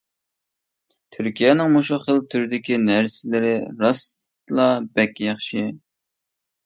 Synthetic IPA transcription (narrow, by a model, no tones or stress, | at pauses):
t̪ʰyɾkʲijɛnɪŋmuʃʊχəlˠt̪ʰyɾd̪ɪkʲinæɾsɪlɪɾɪɾɑs | lˠɑbɛkʲjɑχʃi